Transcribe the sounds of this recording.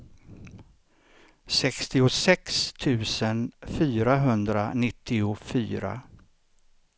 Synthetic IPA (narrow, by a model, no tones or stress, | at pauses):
sɛkst̪ɪʊsɛkst̪ʰʉ̟ːsənfyːɾaɦɵnd̪ɾa̰nɪt̪ʰːɪʊfyːɾa̰